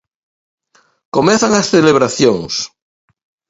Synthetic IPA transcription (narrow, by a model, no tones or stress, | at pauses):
komẽnθaŋasθeleβ̞ɾaθjoŋs